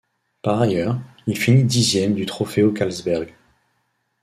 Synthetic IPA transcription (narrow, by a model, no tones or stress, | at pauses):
paʁajœʁ | ilfinid̪izjɛmd̪yt̪χɔfeokalzbɛʁɡ